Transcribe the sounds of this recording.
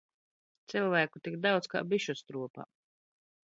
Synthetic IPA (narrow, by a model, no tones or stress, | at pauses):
t̪silˠvæːkut̪ikd̪awt̪ska̰ːbiʃust̪ɾuɔpa̰